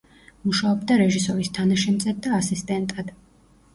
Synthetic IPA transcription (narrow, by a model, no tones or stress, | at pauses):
muʃaɔbd̪aɾɛʒisɔɾist̪ʰanaʃɛmzad̪̚ːaːsist̪ʼɛnt̪ʼad̪̥